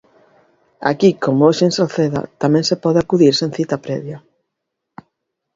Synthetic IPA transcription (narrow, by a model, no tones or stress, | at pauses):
a̰kikomʊoʃeŋsolθeða̰t̪amɛ̃ŋsepɔðeakuðiɾsẽn̟θit̪apɾɛ̰βja